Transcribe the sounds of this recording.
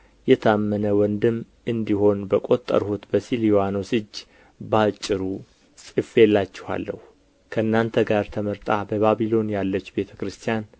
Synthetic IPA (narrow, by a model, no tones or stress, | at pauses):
jɛt̪ʰamːənəwɔnd̪ɨm | ʔɨnd̪iɦo̞nbəkʼo̞t̪ʼːə̰ɾhut̪bəsiljowanosɨd͡ʒ | bat͡ʃʼːɨɾu | sʼɨfe̞lːat͡ʃːɪha̰lːə̰hu | kʰəɨnːant̪ʰəɡaɾt̪ʰəməɾt̪ʼabəβaβilo̞njalːət͡ʃːbe̞t̪ʰəkɾɨst̪ʰijan